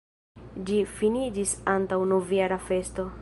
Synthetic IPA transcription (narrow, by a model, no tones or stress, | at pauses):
d͡ʒifinid͡ʒisantawnovjaɾafe̞sto̞